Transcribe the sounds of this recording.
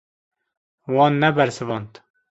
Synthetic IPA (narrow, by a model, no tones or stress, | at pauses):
wɑnːɛbɛɾsɨvɑːnt̪